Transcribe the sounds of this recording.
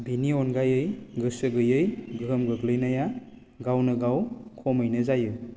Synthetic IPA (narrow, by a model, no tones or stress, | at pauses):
biniɔnɡajɯjɡɯsɯɡɯjɯjɡɯmɡɯɡlɯjnaja | ɡawnɯɡawkʰɔmɯjnɯzajɯ